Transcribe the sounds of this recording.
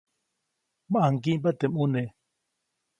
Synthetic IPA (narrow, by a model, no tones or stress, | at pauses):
maʔaŋkimpat̪emune